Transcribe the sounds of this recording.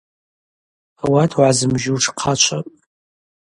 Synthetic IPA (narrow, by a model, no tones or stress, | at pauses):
awatʰwʕazɨmʒɪwʈ͡ʂʰqʰat͡ʃʷʰapʼ